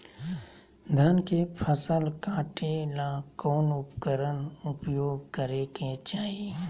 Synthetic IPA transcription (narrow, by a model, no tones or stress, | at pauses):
d̪ʱənkepʰəsəlkaːʈelakɔːnʊpkəɾənʊpjoːɡkəɾeket͡ʃaːieː